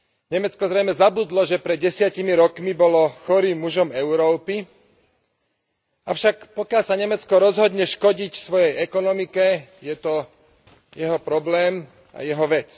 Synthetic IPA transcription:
ɲɛmɛt͡skɔzɾɛjmɛzabud̪lɔʒɛpɾɛd̪̚ɟɛsɪacimiɾɔkmibɔlɔxɔɾiːmːuʒɔmɛʊɾɔːpi | aʊʃakpɔkɪalsaɲɛmɛt͡skɔɾɔzɦɔd̪ɲɛʃkɔɟicsʋɔjɛjɛkɔnɔmikɛjɛt̪ɔ | jɛɦɔpɾɔblɛːm | a̰jɛɦɔʋɛt͡s

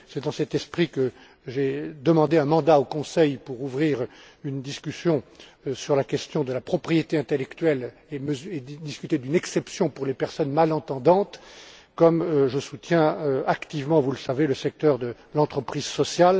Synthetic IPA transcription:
sɛd̪ɑ̃sɛt̪ɛspχikə | ʒed̪əmɑ̃d̪eɛ̃mɑ̃d̪aokɔ̃sɛjpuʁuvʁiʁ | ynd̪iskʲysjɔ̃syʁlakʲɛst̪jɔ̃d̪əlapχɔpχijet̪eɛ̃t̪elɛkt̪ɥɛl | eməzed̪iskʲyt̪ed̪ynɛksɛpsjɔ̃puʁlepɛʁsɔnmalɑ̃t̪ɑ̃d̪ɑ̃t̪kɔmʒəsut̪jɛ̃øakt̪ivmɑ̃vuləsaveləsɛk̚t̪œʁd̪ə | lɑ̃t̪χəpχizsɔsjal

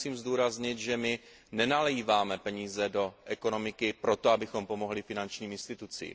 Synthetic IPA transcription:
siːmzduːɾazɲɪt̪ʒɛmɪ | nɛnalɛjiːvaːmɛpɛɲiːzɛdo̞ʔɛko̞no̞mɪkɪpɾo̞t̪oabɪxo̞mpo̞mo̞ɦlɪfɪnant͡ʃɲiːmɪnst̪ɪt̪ut͡sḭː

